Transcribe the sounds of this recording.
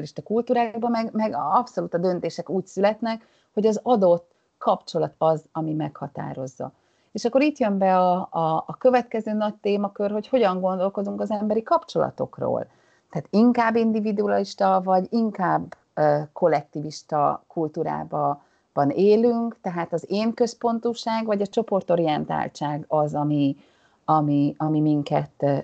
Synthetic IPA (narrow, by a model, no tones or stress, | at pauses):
liʃt̪ɒkult̪uːɾaːɡbɒmɛɡmɛɡɒpso̞luːt̪ɒd̪ø̞nt̪eːʃɛkuːcsylɛt̪nɛk | ho̞ɟɒzɒd̪o̞t̪ː | kɒpt͡ʃo̞lɒt̪ɒzɒmimɛkhɒt̪a̰ːɾo̞zːɒ̰ | eːʃɒkːo̞ɾiːt̪jø̞mbɛɒɒːkøvɛt̪kɛzøːnɒct̪eːmɒkørɦo̞cho̞ɟɒŋɡond̪o̞lko̞d̪uŋkɒzɛmbɛɾikɒpt͡ʃo̞lɒ̰t̪o̞̰kro̰ːl | t̪ɛaːt̪iŋkaːbːind̪ivid̪uɒliʃt̪ɒvɒɟiŋkaːbː | kʰo̞lːɛk̚t̪iːviʃt̪ɒkult̪uːɾa̰ːbɒ | b̥ɒneːlyŋkt̪ɛɦaːt̪ɒzeːŋkø̞spo̞nt̪uːʃaːɡvɒɟɒt͡ʃo̞po̞rt̪o̞ɾijɛnt̪a̰ːlt͡ʃaːɡɒzɒmi | ɒmiɒmimiŋkɛt̪